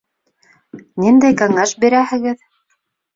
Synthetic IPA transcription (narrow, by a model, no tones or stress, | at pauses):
nind̪æjkæŋæʃbiɾæhɘ̆ɣɘð